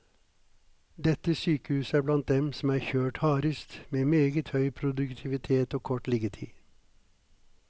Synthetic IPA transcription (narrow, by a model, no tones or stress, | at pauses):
d̪ɛt̪əsyːkəhʉːsəæːblɑnt̪̚d̪ɛmsm̩æːɾçøːʈhɑːɾəst̪meːmeːɡət̪hœʏpʰɾʊd̪ʉkt̪ʰɪʋɪt̪ʰeːt̪oːkʰɔʈlɪɡət̪ʰḭː